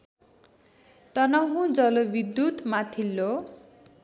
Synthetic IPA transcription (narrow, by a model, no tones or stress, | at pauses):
t̪ʌnʌɦũd͡zʌlobid̪jut̪mat̪ʰilːo